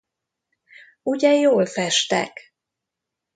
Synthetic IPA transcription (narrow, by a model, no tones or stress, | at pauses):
uɟɛjoːlfɛʃt̪ɛ̰k